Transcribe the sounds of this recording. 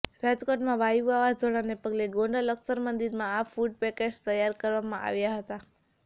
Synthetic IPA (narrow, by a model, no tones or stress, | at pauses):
ɾad͡ʒkoʈmãʋajuaʋazd͡ʒoɽanepəɡleɡõɳɖələksəɾmənd̪iɾmãafuɖ̚pɛked͡ʒt̪əjːaɾkəɾʋamãʔa̰ʋjaɦət̪a